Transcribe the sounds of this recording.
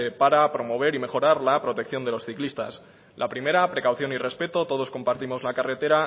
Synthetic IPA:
epaɾapɾo̞mo̞β̞e̞ɾime̞xo̞ɾaɾlapɾo̞t̪e̞k̚θjo̞nd̪e̞lo̞sθiklist̪a̰s | lʔapɾime̞ɾapɾe̞kawθjo̞nire̞spe̞t̪o̞t̪o̞ðo̞sko̞mpaɾt̪imo̞zlakare̞t̪e̞ɾa

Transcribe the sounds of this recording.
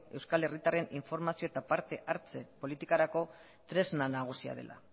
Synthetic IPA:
e̞wskale̞rit̪are̞niɱfo̞ɾmasio̞e̞t̪apaɾt̪e̞ʔaɾt͡se̞polit̪ikaɾako̞ | t̪ɾe̞znanaɣ̞usia̰ð̞e̞̰lʔa̰

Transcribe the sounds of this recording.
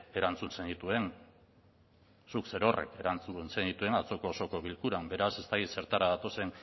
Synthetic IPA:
e̞ɾant͡sunse̞nd̪it̪ue̞n | sukse̞ɾo̞rʔe̞̰ke̞ɾant͡sunse̞nd̪it̪ue̞nat͡so̞ko̞ːso̞ko̞βilkuɾambe̞ɾase̞st̪akit̪se̞ɾt̪aɾaðat̪o̞se̞n

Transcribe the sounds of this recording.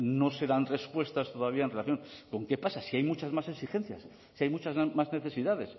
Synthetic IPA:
no̞se̞ðanre̞spwe̞st̪ast̪o̞ðaβ̞iaenrelaθjo̞ŋko̞ŋke̞pasasiajmut͡ʃazmase̞ksixẽ̞n̟θja̰sː | iajmut͡ʃazmazne̞θe̞siðaðe̞s

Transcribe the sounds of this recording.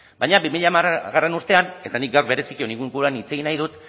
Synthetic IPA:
bajɲabimiʎamaɣare̞nuɾt̪e̞ane̞t̪anik̚ɡawɾβe̞ɾe̞sikio̞niŋɡuŋɡuɾanit͡se̞ɣinajðut̪

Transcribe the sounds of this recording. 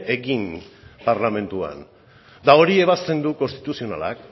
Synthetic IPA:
ʔe̞ɣinpaɾlamẽ̞nt̪ua̰n | d̪ao̞ɾie̞β̞ast̪e̞nd̪uko̞nst̪it̪usio̞na̰la̰k

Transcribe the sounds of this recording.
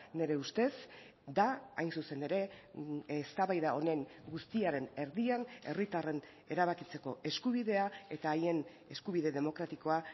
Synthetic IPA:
ne̞ɾe̞ust̪e̞s | d̪aa̰jnsuse̞ne̞ɾe̞ | st̪aβajðao̞ne̞ŋɡust̪iaɾe̞ne̞ɾðiane̞rit̪are̞n | e̞ɾaβakit͡se̞ko̞ʔe̞skuβ̞iðe̞ae̞t̪aːje̞n | e̞skuβ̞ið̞e̞ðe̞mo̞kɾat̪iko̞a

